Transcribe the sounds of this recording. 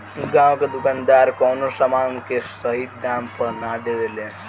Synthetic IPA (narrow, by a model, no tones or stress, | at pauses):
ũɡãʋked̪ukand̪aɾkɔnosəmaːmkesəɦit̪̚d̪ampəɾnad̪eʋele